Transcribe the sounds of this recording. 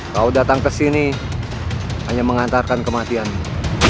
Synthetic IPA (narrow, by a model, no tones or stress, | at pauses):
kaudat̪aŋkəsini | haɲaməŋant̪arkankəmat̪ian